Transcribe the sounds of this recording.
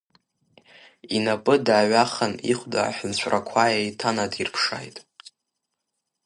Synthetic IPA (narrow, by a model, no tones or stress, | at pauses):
inapʼɨdaːɥaχanḭχʷda̰ːħʷʊnt͡ɕʷʰʼrakʷʰajejtʰanadirpʰʂa̰jtʼ